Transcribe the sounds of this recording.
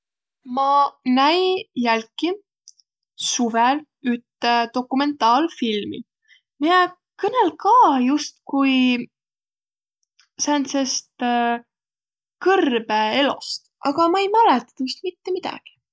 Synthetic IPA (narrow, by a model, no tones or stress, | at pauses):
mɑnæjjælkːi | suvel | yt̪ːed̪o̞kːˑume̞nt̪ːˑɑːlfilmḭ | mie | kɤnelkɑːjust̪kuj | sænsest̪ | kɤrb̥ee̞lo̰st̪ʔɑɡ̥ɑmɑejmælet̪ːˑɑt̪ːɑjust̪̚mit̪ːe̞mid̪̥ɑ̰ɡ̥i̥